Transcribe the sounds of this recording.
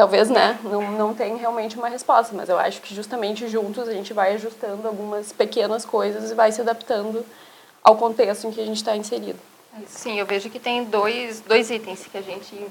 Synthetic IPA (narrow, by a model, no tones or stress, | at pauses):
t̪awveznɛnɐ̃w̃nɐ̃w̃t̪ẽj̃ɦeawmẽnt͡ʃɪũmɐɦespɔst̪ɐmɐ̰zewa̰ʃʊ̥kɪʒust̪ɐmẽnt͡ʃɪʒũnt̪ʊzaʒẽnt͡ʃɪvajaʒust̪ɐ̃nd̪ʊawɡũmɐspekẽnɐskojzɐzɪvajsɪad̪ap̚t̪ɐ̃nd̪ʊ | a̰wkõnt̪est̪ʊẽŋ̃kɪaɐʒẽnt͡ʃɪ̥t̪aĩseɾḭd̪ʊ | ɛsĩewveʒʊkɪt̪ẽj̃d̪ojsd̪ojzit̪ẽj̃skɪaʒẽnt͡ʃɪ